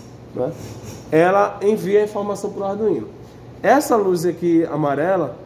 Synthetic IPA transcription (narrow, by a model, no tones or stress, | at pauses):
nʔɛ | ɛlɐẽviɐĩfoɾmasɐ̃w̃pɾuaɾd̪ũĩnɐ | ɛsɐluzɐkɪa̰maɾɛlɐ